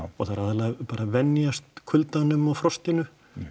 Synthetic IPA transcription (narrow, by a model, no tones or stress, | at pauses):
ɔɣθaɾaðalaɣpaːɾʔavɛnjast̪kʰʏlt̪anʏmɔɣfɾɔst̪ɪnʏ